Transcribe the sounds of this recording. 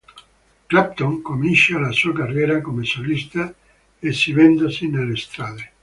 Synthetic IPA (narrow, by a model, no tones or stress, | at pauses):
kɾap̚t̪oŋkominʃealasuakareɾakomesolist̪a | esiβend̪osinelest̪ɾaðe